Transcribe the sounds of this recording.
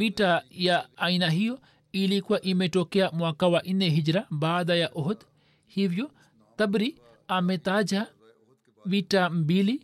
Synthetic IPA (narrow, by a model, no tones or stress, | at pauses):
vitajaːinaɦijɔ | ilikuwaʔimɛtɔkɛamwakawaʔinɛɦid͡ʒɾabaːðajaʔɔɦɔd̪ | hivjɔ | t̪abɾi | amɛt̪ad͡ʒa | vitam̩bili